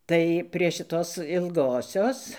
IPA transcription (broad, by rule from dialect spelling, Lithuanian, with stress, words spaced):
ˈtɐɪ pʲrʲiɛ ʃʲɪˈtoːs ɪlˠˈɡoːsʲoːs